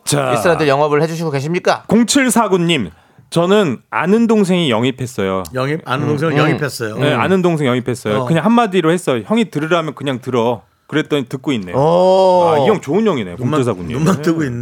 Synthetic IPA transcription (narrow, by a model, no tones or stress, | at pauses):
t͡ɕa̰iɾadɯɭjʌŋʌbɯɭhed͡ʑuɕ̬ʰiɡoke̞ɕ̬ʰimɲik͈akoŋt͡ɕʰɯɭsʰaɡuɲːim | t͡ɕʌnɯna̰nɯndoŋs̬ʰe̞ŋijʌŋipʰe̞s͈ʌjojʌŋip̚anɯndoŋsʰeŋijʌŋipʰes͈ʌjoea̰nɯndoŋs̬ʰeŋjʌŋipʰe̞s͈ʌjokɯɲaŋhamːadiɾohe̞s͈ʌjoçjʌŋitɯɾɯɾamjʌnkɯɲaŋtɯɾʌ | kɯɾe̞t͈̚ʌnitɯk̚k͈oinːejaijʌŋt͡ɕoɯnjʌŋine̞jo̰koŋʰɯɭs̬ʰaɡuɲːḭantɯɡoinː